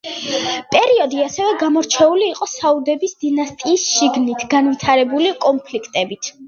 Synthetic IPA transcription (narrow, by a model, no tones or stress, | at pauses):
pʼɛɾiɔd̪iasɛvɛɡamɔɾt͡ʃʰɛuliːqʼɔsaud̪ɛbisd̪̥inast̪ʼiːsʃiɡnit̪ʰɡ̥anvit̪ʰaɾɛbulikʼɔnpʰlikʰt̪ʼɛbit̪ʰ